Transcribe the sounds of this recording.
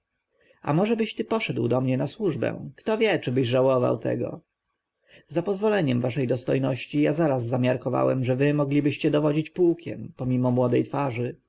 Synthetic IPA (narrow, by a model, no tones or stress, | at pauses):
a̰mɔʐɛbɘɕt̪ɘpɔʂɛd̪wd̪ɔmɲɛnaswuʐbɛ̰̃kt̪ɔvʲjɛt͡ʂɘbɘʑʐawɔva̰wt̪ʰɛ̰ɡɔ̰ | zapɔzvɔlɛɲɛmvaʂɛjd̪ɔst̪ɔjnɔɕt͡ɕijazaɾazːamʲjaɾkɔva̰wɛmʐɛvɘmɔɡlʲibɘɕt͡ɕɛd̪ɔvɔd͡ʑit͡ɕpuwkʲʰɛ̰mpɔmʲimɔmwɔd̪ɛjt̪faʐɘ